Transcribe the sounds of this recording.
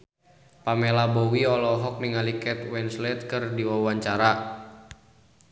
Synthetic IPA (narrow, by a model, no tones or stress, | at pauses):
pamɛlabɔwiɔlɔɦɔk̚niŋalikɛt̪̚wɛnslɛt̪̚kɨrdiwawaɲt͡ʃaɾa